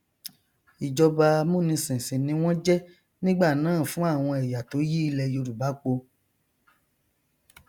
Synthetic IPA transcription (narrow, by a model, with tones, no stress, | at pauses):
i˨d͡ʒɔ˧ba˧mũ˦˨nĩ˧sĩ˨sĩ˨nĩ˧˦w̃ɔ̃˦d͡ʒɛ˦ | nĩ˦ɡ͡ba˦˨nãː˨˦˨fũ˦a˦˨w̃ɔ̃˧ɛ˨ja˨to˨˦ji˦i˧˦lɛ˨jo˧ɾu˨ba˨˦k͡po˧